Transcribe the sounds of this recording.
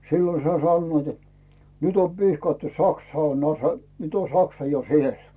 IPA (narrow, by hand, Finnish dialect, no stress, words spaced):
silːo sɑi sɑnːoit et nyt om pihkɑtːu sɑksɑ on ɑse nyt on sɑksɑ jo siel